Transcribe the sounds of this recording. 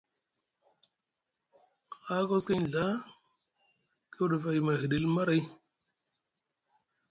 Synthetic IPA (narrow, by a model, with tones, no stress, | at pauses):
a˦ko˦ski˦n˨ɮa˦ | ki˦wɗə˨va˨jma˨ɦi˨ɗi˨lma˦ɾa˨˦j